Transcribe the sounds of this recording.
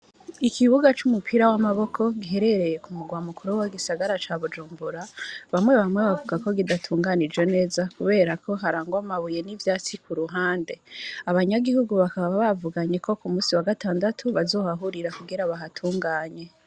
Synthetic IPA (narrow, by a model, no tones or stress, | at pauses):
ikʰiβuɡat͡ʃumupʰiɾawamaβo̞kʰo̞ɡiɦe̞ɾe̞ɾe̞je̞kumuɡwaːmukʰuɾuwaɡisaɡaɾat͡ʃaβud͡ʒuːmbuɾaβamwe̞βamwe̞βavuɡako̞ɡidatʰuːŋɡanid͡ʒwo̞ne̞ːzakuβe̞ːɾakʰo̞ɦaɾaːŋɡoamaβuje̞nivjaːt͡sikuɾuɦaːnde̞aβaɲaɡihuɡuβakaβaβaβavuɡaɲe̞kʰo̞kumuːsiwaɡataːndatʰuβazo̞ːhaɦuɾiɾakuɡiɾaβaɦatʰuːŋɡaːɲe̞